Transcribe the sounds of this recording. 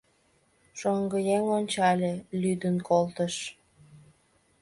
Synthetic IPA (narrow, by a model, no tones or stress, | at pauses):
ʃoŋɡəjeŋonʲt͡ɕɑlʲelʲyd̪ənkolt̪əʃ